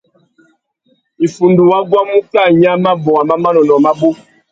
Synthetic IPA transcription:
i˨fu˨ndu˨wa˦ɡwa˦mũ˦ka˦˨ɲa˦ma˦bɔ˨a˨ma˦ma˦nɔ˨nɔ˨ma˦bo˦

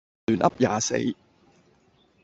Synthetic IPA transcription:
yː˨˩nʔɐ̰˥p̚jaː˨˥sḛ˨˧˥j

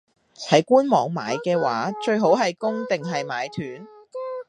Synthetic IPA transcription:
tʰɐ˨˥jkuː˥nmɔː˨˧ŋma̰ː˨˧jkɛː˧wa̰ː˨˥t͡ʃɵ˧ɥɦo˨˥wɦɐ˨jkʊ˥ŋt̪ɪ˨ŋɦɐ˨jmaː˨˧jt̪ʰyː˨˥n

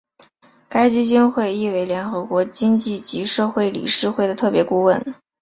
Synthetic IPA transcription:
ka˥ɪt͡ɕi˥t͡ɕi˥nxwe˥˧ɪi˥˩we˧˥ɪljɛ˧˥nxɤ˧˥kwɔ˧˥t͡ɕi˥ŋt͡ɕi˥˩t͡ɕi˧˥ʂɤ˥˧xwe˥˩ɪlḭ˨˩ʂɻ̩˥˧xwe˥˩ɪd̪ə˩t̪ʰɤ˥˩pjɛ˧˥ku˥˧wə˥˩n

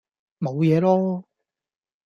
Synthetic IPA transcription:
mo˨˧wjɛː˨˧lɔː˥

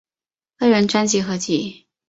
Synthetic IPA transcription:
kɤ˥ɻə˧˥nʈ͡ʂwa˥nt͡ɕi˧˥xɤ˧˥t͡ɕi˧˥˩

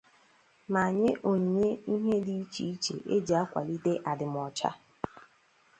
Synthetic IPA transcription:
ma˨ɲe˦ʔo˨ɲi˨ɲe˦i˦ɦe˦di˦i˦t͡ʃi˨i˦t͡ʃḛ˨ʔe˦d͡ʒa˨a˦kʷa̰˨li˦de˦ʔa˨dɪ˨m˨ɔ˨t͡ʃa̰˦

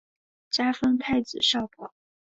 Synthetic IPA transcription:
t͡ɕja˥fɤ˥ŋt̪ʰa˥˩ɪt͡sɹ̩˨˩ʂɑ˥˧ʊpɑ˨˩˦

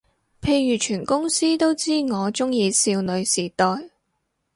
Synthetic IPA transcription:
pʰe˧jɥyː˨˩t͡ʃʰyː˨˩nkʊ˥ŋsiː˥t̪o˥wt͡siː˥ŋɔː˨˧t͡ʃʊ˥ŋjiː˧siː˧wnɵ˨˧ɥsiː˨˩t̪ɔː˨j

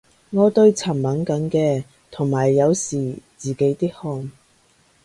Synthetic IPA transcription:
ŋɔː˨˧t̪ɵ˧ɥt͡sʰɐ˨˩mmɐ˨˥nkɐ˨˥nkɛː˧ | t̪ʰʊ˨˩ŋmaː˨˩jːɐ˨˧wsiː˨˩t͡siː˨ke˨˥jt̪iː˥k̚hɔː˧ŋ

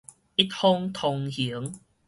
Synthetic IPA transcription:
i˦t̚hʊ˦˥ŋt̪ʰo˧ŋhi˨˦ə˦ŋ

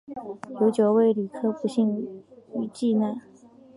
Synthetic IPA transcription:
jo˧˥ʊt͡ɕjo˨˩ʊwe˥˩ɪli˨˩kʰɤ˥pu˧˥ɕi˥˩ŋy˨˩t͡ɕi˥˧na˥˩ɪ

